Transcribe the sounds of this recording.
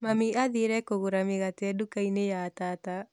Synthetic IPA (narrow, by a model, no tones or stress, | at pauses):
mamiaðiɾɛkoɣuɾameɣatɛdukainejatata